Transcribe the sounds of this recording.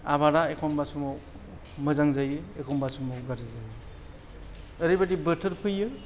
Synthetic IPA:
aβaɾaekʰɔmbasumɔ | mɯzaŋzajɯekʰɔmbasumɔɡaɾizajɯ | əɾibatibɯtʰɯɾpʰɯjɯ

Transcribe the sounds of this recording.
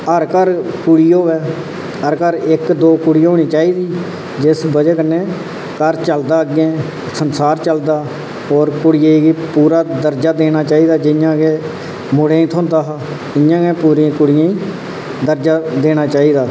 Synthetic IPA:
əɾkəɾkʊɽɪjoːʋɛː | əɾkəɾɪkd̪oːkʊɽɪjɦoːɽ̃iːt͡ʃaːiːd̪iː | d͡ʒɪsbəd͡ʒəknẽː | kəɾt͡ʃəld̪aːɡẽː | sənsaːɾt͡ʃəld̪aː | ɔːɾkʊɽɪjeːɡiːpuːɾaːd̪əɾd͡ʒaːd̪eːɽ̃aːt͡ʃaːiːd̪aːd͡ʒɪjãːkeː | mʊɽẽːĩːt̪ʰõːnd̪aːɦa | ɪjãːkẽːpuːɾĩːkʊɽɪjãːĩː | d̪əɾd͡ʒaːd̪eːɽ̃aːt͡ʃaːiːd̪aː

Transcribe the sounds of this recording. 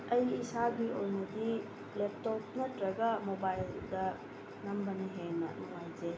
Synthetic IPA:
ɐjisabiojnudi | lep̚top̚nɐtɾɐɡɐmobajldɐ | nɐmbɐneɦenɐ̰nuŋajze

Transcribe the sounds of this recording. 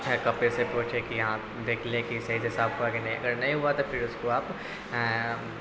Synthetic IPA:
ɛ̃kɐpesepuːt͡ʃʰẽkijɐɦãː | d̪eːkʰlẽkisɐɦiseɦɪsaːbɦuakinɐɦĩɐ̰ɡəɾnɐɦĩɦuat̪opʰɪɾʊskoaːp

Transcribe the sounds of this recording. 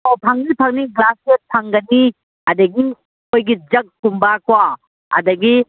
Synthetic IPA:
owpʰaŋnipʰaŋniɡlaset̚pʰaŋɡɐni | ɐdɐɡi | kojɡid͡ʒɐk̚kumbakwa | ɐ̰dɐɡi

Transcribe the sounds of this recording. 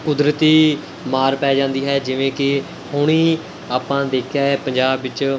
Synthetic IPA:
kʊd̪ɾət̪iː | maːɾpɛːd͡ʒãːnd̪iːɦɛːd͡ʒɪʋẽːkɪ | hʊɽ̃iː | aːpãːd̪eːkʰjaːɦɛːpəɲd͡ʒaːbːɪt͡ʃ

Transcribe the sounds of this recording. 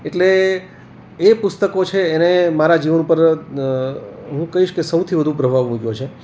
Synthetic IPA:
eʈle | pʊst̪əkot͡ʃʰeːnemaɾad͡ʒiʋənupəɾ | ɦũkəɦiʃkesəwt̪ʰiʋəd̪ʱũpɾəbʱaʋmũkjot͡ʃʰe

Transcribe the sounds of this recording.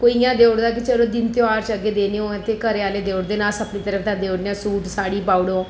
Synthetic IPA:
koːiːjãːd̪eːʊɽd̪aːkɪt͡ʃəlõːd̪ɪnt̪ɪaːɾt͡ʃəɡːeːd̪eːneõːt̪eːkəɾeaːleːd̪eːʊɽd̪eːnaːsəpniːt̪əɾəft̪ãːd̪eːʊɽneãːsuːʈsaːɽiːpaːʊɽõː

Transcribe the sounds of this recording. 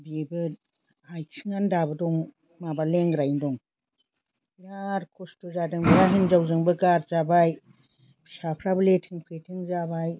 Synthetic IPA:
biebɯ | ajt͡ʃʰɯŋandabɯdɔŋ | mabaleŋɡɾajndɔŋ | ɾaɾkʰɔstɔzadɯŋbɯɾaɦinzawzɯŋbɯɡaɾzabaj | pʰsapʰɾabɯletʰɯŋpʰɾetʰɯŋzabaj

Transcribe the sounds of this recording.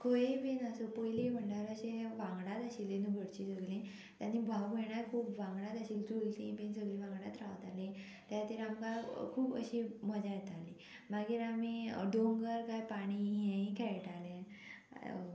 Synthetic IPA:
kʰojepenəsopojlibəɳɖəɾəɕẽʋãŋɡɽat̪əɕilẽnuɡʱəɽt͡ɕisəɡlẽ | t̪janːibʱawbeɳaɾkʰuːpʋãŋɡɽat̪əɕiːld͡ʑult̪ĩpensəɡlĩʋãŋɡɽat̪ɾaʋt̪alẽ | t̪jat̪iɾamkakʰuːpə̰ɕiməd͡ʑajet̪ali | maɡiːɾamiɖoŋɡəɾkajpaɽ̃iɦẽĩkʰɛjʈalẽ

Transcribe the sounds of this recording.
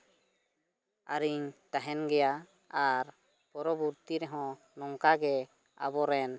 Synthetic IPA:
a̰ɾiɲt̪aɦɛnɡɛja | aɾ | pɔɾɔbuɾt̪iɾɛɦɔ̃ | nɔŋkaɡɛ | a̰bɔɾɛn

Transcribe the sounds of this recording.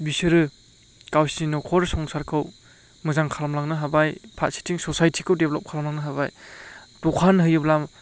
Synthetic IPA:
bisɯɾɯ | kawsinɔkʰɔɾsɔŋsaɾkʰɯw | mɯzaŋkʰalamlaŋnɯɦabajpʰat̚si̥tʰiŋsɔsajtʰikʰɯwdeblɔp̚kʰalamlaŋnɯɦabajtɔkʰanɦɯjɯblam

